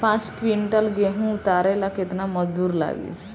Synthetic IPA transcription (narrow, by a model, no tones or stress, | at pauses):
pãt͡ʃʈʋiɳʈəlɡeɦũʊt̪aɾelakɪt̪naməd͡ʒd̪uːɾla̰ɡḭ